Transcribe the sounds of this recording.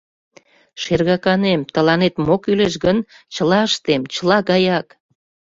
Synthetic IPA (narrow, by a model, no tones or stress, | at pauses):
ʃerɣɑkɑnemt̪əlɑnet̪mokyleʃɣən | t͡ɕəlɑəʃt̪emt͡ɕəlɑɣɑjɑk